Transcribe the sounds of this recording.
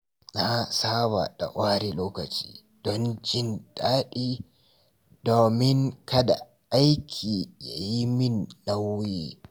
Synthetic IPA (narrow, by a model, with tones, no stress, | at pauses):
na˦saː˦βa̰˨ɗa̰˨ʔʷaː˦ɾi˦loː˦kɐ˨t͡ʃi̥̰ː˦ | d̥ɔ˦nd͡ʒɪ˦nɗaː˦ɗiː˦ | doː˨mɪ˦ŋkɐ˦da̰˨ | ʔa˦jkʲʰiː˨ja̰˨ji˦mɪ˦nːa˦wːiː˦